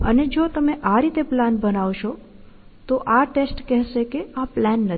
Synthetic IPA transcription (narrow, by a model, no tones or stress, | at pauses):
əned͡ʒot̪əmeʔaɾit̪eplanbənaʋʃo | t̪oʔaʈesʈkɛɦʃekeaplanːə